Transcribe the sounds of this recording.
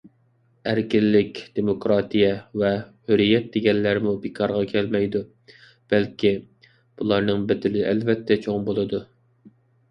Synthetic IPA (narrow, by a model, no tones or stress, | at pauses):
æɾkʲɪlːɪkʲd̪̥emokɾɑːt̪ijɛvɛhøɾijɛt̪̚d̪eɡʲɛnlːæɾmubekʰɑɾʁɑkʲʰɛlmɛjd̪u | b̥ɛlkʲi | b̥ulˠɑɾnɨŋbɪd̪ɪlɪʔɛlvɛt̪ʰːɛt͡ʃʰoŋbolˠɨd̪u